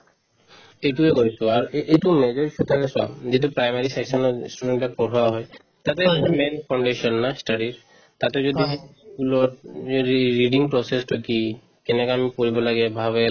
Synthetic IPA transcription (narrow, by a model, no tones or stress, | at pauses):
eʈuekoɾit͡ɕʰoaɾejʈumed͡ʑoɾit͡ʃʰut̪ʰakesa̰md͡ʑet̬upɾajmaɾiseksɔnosʈumeɳʈʈapoɾɦowaɦɔe | t̪at̪emenfʰawɳɖeʃɔnːasʈaɖiɾ | t̪at̪ed͡ʑod̪ieɡuloɾ | ɾiɖiŋpɾosesʈʰɔki | kenekamipoɾibolaɡebʱabe